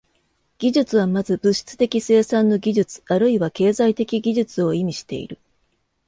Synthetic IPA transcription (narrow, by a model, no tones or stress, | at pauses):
ɡ̥ʲiʑɨt͡sɨβamazɨbɯɕi̥t͡sɨ̥t̪e̞kʲise̞ːsãnːo̞ɡʲiʑɨt͡sɨ̥aɾɯ̟iβake̞ːzait̪e̞kʲiɡʲiʑɨt͡sɨo̞imʲiɕi̥t̪e̞̰ḭɾɯ̟